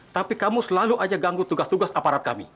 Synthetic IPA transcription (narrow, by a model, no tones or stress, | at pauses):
t̪apikamusəlaluʔad͡ʒaɡaŋɡut̪uɡast̪uɡasapaɾat̪̚ka̰mḭ